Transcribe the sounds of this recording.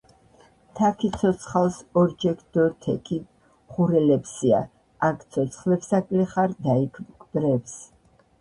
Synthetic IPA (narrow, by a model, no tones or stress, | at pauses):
t̪ʰakʰit̪sʰɔt̪sʰχalˠsɔɾd͡ʒɛkʰd̪̥ɔt̪ʰɛkʰi | χuɾɛlɛpsia̰ | akʰt̪sʰɔt̪sʰχlɛpsakʼliχaɾd̪aikʰmɡbɾɛps